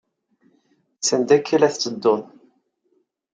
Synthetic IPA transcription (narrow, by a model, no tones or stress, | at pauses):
sənd̪ækʰːilæθt͡sːəd̪ːʊn